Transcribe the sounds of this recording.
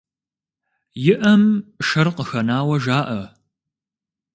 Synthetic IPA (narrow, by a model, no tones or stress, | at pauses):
jɪʔɐmʃɐrqəxɐnaːwɐʒaːʔɐ